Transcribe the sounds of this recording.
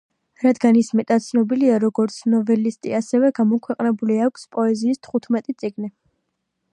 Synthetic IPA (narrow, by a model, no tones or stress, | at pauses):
ɾad̪ɡanismɛt̪ʼat̪̚sʰnɔbiliaɾɔɡɔɾt̪sʰnɔvɛlist̪ʼḭasɛvɛɡamɔkʰwɛqʼnɛbuliakʷʰspʼɔɛziːst̪ʰχut̪ʰmɛt̪ʼit̪sʼiɡni